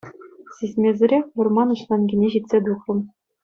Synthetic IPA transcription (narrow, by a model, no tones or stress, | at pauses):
sʲisʲmʲezʲɘ̆ɾʲexʲʋɤ̆rmɑnɤ̆ɕlˠɑnɡʲinʲeʑit̪ʲsʲed̪uχɤ̆m